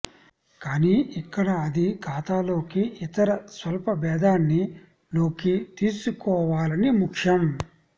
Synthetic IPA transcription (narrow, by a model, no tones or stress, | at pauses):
kaːniʔikːɐɽɐɐd̪iɡʰʱaːt̪aːlo̞ːkiʔit̪ɐɾɐsʋɐlpɐbɛːd̪aːnːi | lo̞ːkit̪iːsukɔːʋaːlɐnimukʂɐm